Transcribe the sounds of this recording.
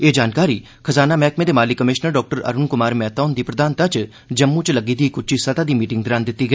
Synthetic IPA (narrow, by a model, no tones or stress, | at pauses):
eːd͡ʒaːnkaːɾiː | kʰəzaːnaːmɛːkmẽd̪eːmaːlikəmɪʃnəɾɖɔːk̚ʈəɾə̰ɾʊnkʊmaːɾmɛːt̪aːnd̪iːpɾəd̪aːnt̪at͡ʃ | d͡ʒəmːũːt͡ʃləɡiːd̪iːkʊt͡ʃiːsət̪aːd̪iːmiːʈɪŋɡd̪ɪɾaːnd̪ɪt̪ːiːɡəiː